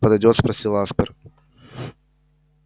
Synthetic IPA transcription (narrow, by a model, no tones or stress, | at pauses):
pəd̪ɐjdʲot̪spɾɐsʲilˠaspəɾ